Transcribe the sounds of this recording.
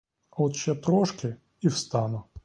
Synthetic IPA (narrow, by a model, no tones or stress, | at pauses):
ɔt̪t͡ʃɛt̪ɾɔʃkɪ | iwst̪ɑnʊ